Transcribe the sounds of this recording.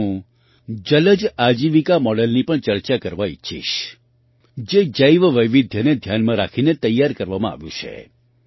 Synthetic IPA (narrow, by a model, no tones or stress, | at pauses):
ũ | d͡ʒələd͡ʒad͡ʒiʋikamɔɽəlnipəɳt͡ʃəɾt͡ʃakəɾʋaḭːʃʰḭʃ | d͡ʒed͡ʒəjʋʋəjʋid̪ʱjəned̪ʱjanmãɾakʰinet̪əjːaɾkəɾʋamãa̰ʋjṵ̃t͡ʃʰḛ